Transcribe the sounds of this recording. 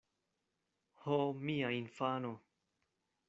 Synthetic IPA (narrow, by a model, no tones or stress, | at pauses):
homiainfano